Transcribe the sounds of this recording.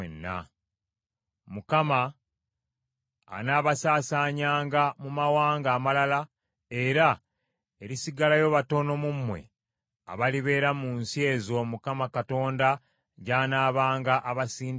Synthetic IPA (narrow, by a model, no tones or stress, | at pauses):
enːa̰ | mukama | naːβasaːsaːɲaːŋɡamumawaːŋɡaːmalala | e̞ɾa | eɾisiɡalajo̞ːβato̞no̞mumːwe̞̰ | a̰βaliβe̞ːɾamunsie̞zo̞mukamakato̞ːnda | ɟaːnaːβaːŋɡaʔaβasiːn